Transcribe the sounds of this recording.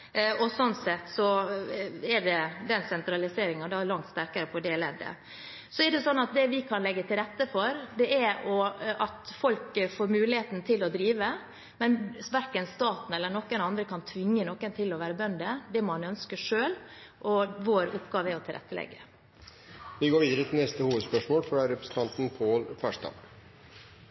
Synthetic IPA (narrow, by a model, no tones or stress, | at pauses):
ɔsɔnsɛt̪ːsɔ | ɛɖɛd̪ɛnsɛnt̪ɾɑlɪseːɾɪŋɑnd̪ɑlɑŋt̪st̪æɾkəɾəpʰɔd̪ɛlɛ̰d̪ə̰ | sɔɛɖɛsɔnːɑt̪̚d̪ɛʋɪkʰɑnlɛɡːət̪ʰɪlɾɛt̪ːəfɔɾd̪ɛʔɛɾɔɑt̪fɔlkfoːɾmʉːlɪheːt̪n̩t̪ʰɪlɔd̪ɾiːʋə | mɛnsʋæɾkənst̪ɑːt̪n̩ɛlːənɔkːənɑnd̪ɾəkʰɑnt̪ʰʋɪŋːənɔkːənt̪ʰɪlɔʋæːɾəbœnd̪əd̪ɛmɑnœnskəʂøːlʔɔʋoːɾʊpɡɑːʋəɛɾɔt̪ʰɪlɾɛ̰t̪ːəlɛ̰ɡə̰ | ʋɪɡoːɾʋiːd̪əɾət̪ʰɪlnɛst̪əhuːʋəd̪spœʂmoːlfɾɑɾɛpɾəsn̩t̪ʰɑnt̪n̩pʰoːlfæʂt̪ɑ̰ː